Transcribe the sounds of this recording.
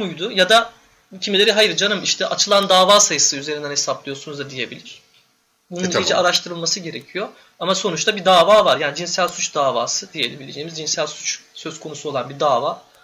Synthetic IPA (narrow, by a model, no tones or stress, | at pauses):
mujd̪ujad̪a | cʰimilʲe̞ɾiɦajɯɾd͡ʒanɯmiʃt̪ʰɛʔat͡ʃʰɯlˠand̪aːvaːsajɯsɯyze̞ɾind̪ænhe̞sablˠɯjo̞sunuzd̪ad̪ije̞bilʲiɾ̥ | bunnijid͡ʒɛaɾaʃt̪ʰɯɾɯlˠmasɯɟe̞ɾecʰijo̞ | amaso̞nut͡ʃt̪ʰabid̪aːvaːvaɾjaːnid͡ʒinsælʲsut͡ʃd̪aːvaːsɯd̪ijeilʲibilʲed͡ʒeːimizd͡ʒinsælʲsu̥t͡ʃsøzkʰo̞nusuo̞lˠanbid̪aːvaː